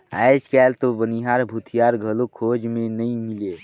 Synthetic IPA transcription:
əjt͡ʃkɛlt̪oʋəniɦaɾbʱut̪ʰijaɾɡʱəlokʰod͡ʒmenəĩmile

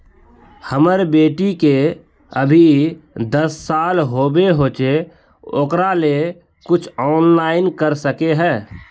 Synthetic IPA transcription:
həməɾbeːʈike | əbʱid̪əsːaːlɦoːbeɦoːt͡ʃe | oːkɾale | kʊt͡ʃʰɔːnlaːɪnkəɾsəkeɦɛː

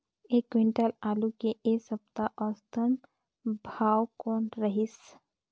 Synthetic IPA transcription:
eːkʋɪ̃ɳʈəlaːlukeʔeːsəb̚t̪aʔɔːst̪ʰən | bʱaːwkɔːnɾəɦɪs

